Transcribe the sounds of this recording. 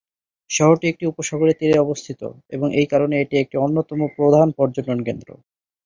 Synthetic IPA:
ʃɔɦoɾʈiek̚ʈiupoʃɔɡʱoɾet̪iɾeɔbost̪ʰit̪o̰ | eboŋejkaɾoneeʈiek̚ʈionːot̪ɔmopɾod̪ʱanpɔɾd͡ʑononkend̪ɾo̰

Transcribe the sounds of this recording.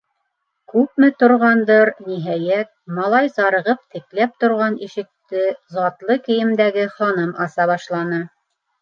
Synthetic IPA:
kʉp̚mɘt̪ŏɾʁɑnd̪ɤɾniɦæjæt̪̚mɑlˠɑjzɑɾɤ̆ʁɤp̚t̪ɘ̆klæp̚t̪ŏɾʁɑniʃɘ̆k̚t̪ɘzɑt̪lˠɤkɘ̆jɘ̆md̪æɡɘχɑnɤmɑsɑβɑʃlˠɑnɤ

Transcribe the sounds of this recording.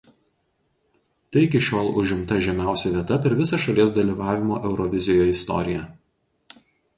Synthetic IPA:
t̪ɐɪɪkʲɪʃʲoːlˠʊʒʲɪmt̪ɐʒʲɛmʲæˑʊsʲɛʋʲiɛt̪ɐpʲɛɾʋʲɪsɐʃɐlʲiɛs̬d̪ɐlʲiːˑʋɑːʋʲɪmo̰ːʔɛʊɾɔʋʲɪzʲɪjoːɪst̪ɔ̰ɾʲɪjɛ

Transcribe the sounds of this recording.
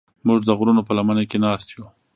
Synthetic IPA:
mʊʐd̪əɣɾunopəlamanekenɑst̪ju

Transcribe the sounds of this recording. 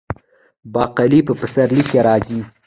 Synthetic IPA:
bɑqalipəpəsaɾlikeɾɑzi

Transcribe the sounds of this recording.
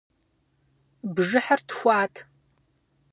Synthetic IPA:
bʒɨħartxʷaːtʰ

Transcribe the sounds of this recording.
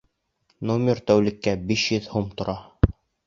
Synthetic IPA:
nomʲɪrt̪æwlĭkːæbiʃjɵðhumt̪ŏɾɑ

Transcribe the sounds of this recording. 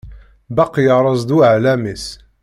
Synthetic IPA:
bɑqjɑɾˤɑzˤd̪uʕlæmis

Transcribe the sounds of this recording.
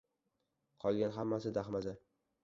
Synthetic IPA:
qʰɒlˠɡʲanɦamːasɪd̪aχmaza

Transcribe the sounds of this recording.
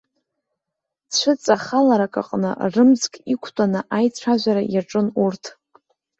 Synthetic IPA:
t͡ɕʷʰɨt͡sʼaχalaɾakʼa̰qʼnɨ̰rɨmd͡zkʼikʷʰtʷʼanɨʔajt͡sʷʰaʒʷaɾajaʈ͡ʂʼɨnurtʰ

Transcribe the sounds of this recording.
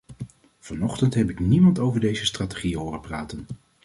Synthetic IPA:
v̥ɑnɔχtəntɦɛpɪknimɑntowvəɹdejzəstrate̥χiɦoːrəpraːtən

